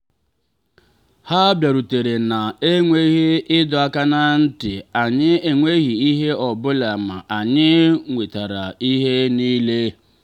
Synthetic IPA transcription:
ha˦bja˨ɾu˨te˨ɾe˨na˨e˦ŋʷe˦ɣi˦ɪ˦dɔ˨a˦ka˦na˦n̩˦tɪ˨a˨ɲɪ˦e˨ŋʷe˦ɣi˨i˦ɦe˦ɔ˨bʊ˦la˨ma̰˨ʔa˨ɲɪ˦ŋʷe˨ta˨ɾa˨i˦ɦe˦niː˦le˦

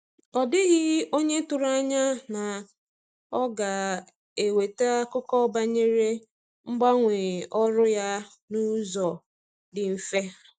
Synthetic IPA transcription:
ɔ˨dɪ˦ɣɪ˦o˦ɲe˦tʊ˨ɾa˦ɲa˦na˨ | ɔ˦ɡa˨ | e˨we˨ta˦a˦kʊ˦kɔ˦ba˦ɲe˦ɾe˦ | ŋ͡m̩˦ɡ͡ba˦ŋʷe˨ɔ˦ɾʊ˦ja˦ | nu˦zɔ˨ | dɪ˨m̩˨fe˦

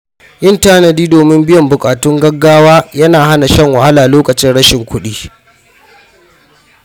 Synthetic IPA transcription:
ʔɪ˦˨ntaː˦nɐ˨diː˦doː˨mɪ˦mbɪ˦jɐ˨mbʊ˨kʼaː˨tʊ˦ŋɡɐ˦ɡːaː˦waː˦jɐ˦naː˨ɦa˦na˨ʃɐ˦ŋwɐ˨ha˦laː˨loː˦kʼɐ˨t͡ʃɪ˦nɽɐ˦ʃɪ˨ŋkʷʊ˦ɗiː˦

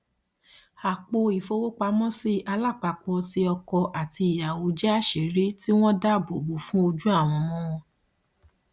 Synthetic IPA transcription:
a˨k͡po˧i˨fo˧wo˦k͡pa˧mɔ̃˦si˦ʔa˧la˦˨k͡pa˧k͡pɔ˧ti˧˦ɔ˧kɔ˧ʔa˨ti˧i˨ja˨wo˨˦d͡ʒɛ˦a˦˨ʃe˨ɾi˦ti˦w̃ɔ̃˦da˦˨bo˨bo˨˦fũ˦o˧d͡ʒu˦a˦˨w̃ɔ̃˧mɔ̃˦w̃ɔ̃˧

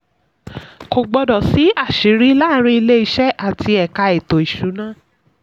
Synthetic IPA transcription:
ko˨ɡ͡bɔ˧dɔ˨si˨˦a˦˨ʃi˨˦ɾi˨˦la˦˨ɾ̃ĩ˧i˧le˦i˧ʃɛ˦ʔa˦˨ti˧ɛ˨ka˧ɛ˨to˨i˨ʃu˨˦nãː˦˨

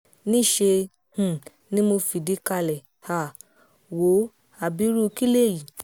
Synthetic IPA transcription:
nĩ˦˨ʃe˧ | h̩˨ | nĩ˦mo˧fi˨di˨˦ka˧lɛ˨ | ha˨ | wo˨˦ | a˨bi˨˦ɾu˦˧ki˦le˦˨ji˨

